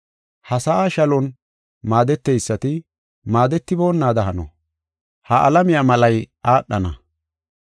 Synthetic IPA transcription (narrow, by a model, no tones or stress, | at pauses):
hɐsɐʔaːʃɐlɔn | maːd̪ɛt̪ːɛjsːɐt̪ɪ | maːd̪ɛt̪ːɪboːnːaːd̪ɐɦɐnɔ̰ | hɐʔɐ̰lɐmɪjamɐlɐjʔaːɗːɐnɐ̰